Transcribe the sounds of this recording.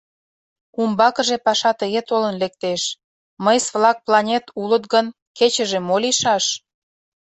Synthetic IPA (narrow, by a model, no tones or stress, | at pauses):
umbɑkə̆ʒepɑʃɑt̪əɣet̪olənlek̚t̪eʃ | məjsβlɑk̚plɑnʲet̪ulət̪ɡən | ket͡ɕəʒemoliʃɑʃ